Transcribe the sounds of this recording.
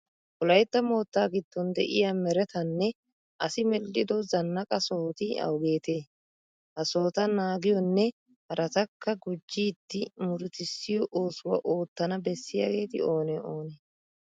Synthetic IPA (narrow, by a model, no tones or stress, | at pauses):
ɔlɐjt̪ːɐmo̞ːt̪ːaːɡɪd̪̥ːɔnd̪ɛ̰ʔɪjaːmɛɾɛt̪ɐnːɛ | ʔɐsɪmɛlːɪd̪ɔzɐnːɐkʼɐsoːt̪ɪɐ̰wɡe̞ːt̪eː | hɐso̞ːt̪ɐnaːɡɪjɔnːɛ | hɐɾʔɐt̪ɐkʰːɐɡʊd͡ʒːiːd̪ːɪmʊɾʊt̪ɪsːɪjɔʔo̞ːsʊwɐ̰ʔo̞ːt̪ːɐnɐbɛsːɪjɐ̰ɡe̞ːt̪ɪ̰o̞ːnɛoːneː